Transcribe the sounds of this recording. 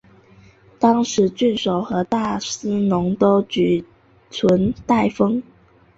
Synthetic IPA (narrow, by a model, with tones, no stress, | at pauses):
t̪ɑ˥ŋʂɻ̩˧˥t͡ɕy˥˩nʂo˨˩ʊxɤ˧˥t̪a˥˩sɹ̩˥nʊ˧˥ŋt̪o˥ʊt͡ɕy˨˩ | t͡sʰwə˧˥nt̪a˥˩ɪfɤ˥ŋ